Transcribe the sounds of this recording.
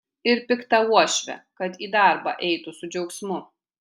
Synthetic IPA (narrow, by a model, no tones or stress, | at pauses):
ɪɾpʲɪkt̪ɐuɔʃʲʋʲɛ̰kɐt̪iːd̪ɑˑɾbɑ̰ʔɛɪt̪ʊsʊd͡ʒʲɛʊksʲmʊ